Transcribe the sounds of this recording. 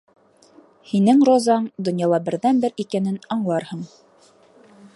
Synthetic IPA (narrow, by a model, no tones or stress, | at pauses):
hinɘŋrozɑɴd̪ŏnjɑlˠɑbɘ̆ɾðænbɘɾikænɘnɑɴlˠɑɾhɤɴ